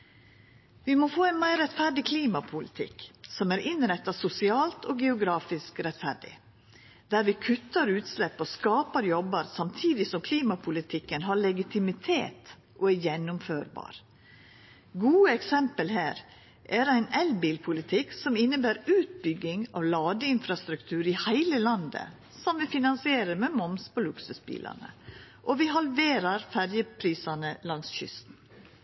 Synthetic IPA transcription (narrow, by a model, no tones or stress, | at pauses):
ʋɪmoːfoːæɪnmæɪɾɛt̪fæɖɪkʰliːmɑpʰʊlɪt̪ʰɪ̰ksɔmæːɾʔɪnɾɛt̪ːɑsʊsɪɑːlt̪ʰoːɡɛʊɡɾɑːfɪskɾɛt̪fæɖɪ̰ | d̪æːɾʋɪkʰʉt̪ːɑɾʉːt̪slɛpːɔskɑːpəɾjɔbəɾsɑmt̪ʰiːd̪ɪsɔmkʰliːmɑpʰʊlɪt̪ʰɪkːənɦɑɭɛɡɪt̪ʰɪmɪt̪ʰeːt̪ | ʔoːæɾjɛnːʊmføːɾbɑ̰ːɾ | ɡuːəɛksɛmpəlhæːɾ | ʔæɾæɪnɛlbiːlpʰʊlɪt̪ʰɪksɔmɪnːəbæːɾʉːt̪̚bʏɡɪŋɑ̰ːʋlɑːɡəɪnfɾɑst̪ɾʉkt̪ʰʉːɾɪhæɪləlɑnd̪ə̰ | sɔmʋɪfɪnɑnsɪeːɾəɾmeːmɔmspʰolʉksʉsbḭːlʔɑ̰nə̰ʔɔʋɪhɑlʋeːɾɑɾfæɾjəpʰɾiːsɑnəlɑŋsçʏ̰st̪n̩